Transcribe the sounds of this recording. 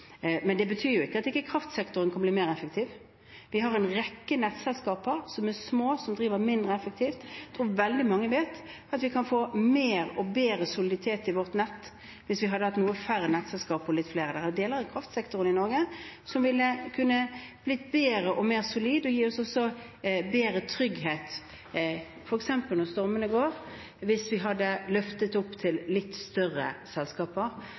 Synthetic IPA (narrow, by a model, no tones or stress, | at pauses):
mɛnd̪ɛbət̪ʰyːɾjʊɪkːəɑt̪ɪkːəkʰʁɑft̪sɛkt̪ʊɾənkʰɑnb̪liːmeːʁɛfəkt̪ʰiːʋ | ʋɪɦɑɾɛnʁɛkːənɛt̪sɛlskɑːpəɾsɔmæsmoːsɔmd̪ɾiːʋəʁmɪnd̪ʁəɛfək̚t̪ʰiːft̪t̪ʰʁuːʋɛld̪ɪmɑŋːəʋeːt̪ | ɑt̪ʋɪkʰɑnfoːmeːɾɔbeːɾəsʊlɪd̪ɪt̪ʰeːt̪ːɪʋɔʁt̪nɛt̪ː | ʋɪsʋɪɦɑd̪ːəhɑt̪nuːəfæɾːənɛt̪sɛlskɑːpɔlɪt̪fleːʁəd̪æʁæd̪eːləɾɪkʰʁɑft̪sɛkt̪ʊɾənɪnɔɾɡəsɔmʋɪlːəkʰʉnːəb̥lɪt̪beːɾəʔɔmeːʁsʊliːd̪ɔjiːɔsɔsɔ | beːɾət̪ʰɾʏɡɦeːt̪ | fɔɾɛksɛmpəlnɔʁst̪ɔɾmənəɡoːʁ | ʋɪsʋɪɦɑd̪ːəlœft̪ət̪ʊpːt̪ʰɪllɪt̪ːst̪œʁə̰sɛlskɑːpəɾ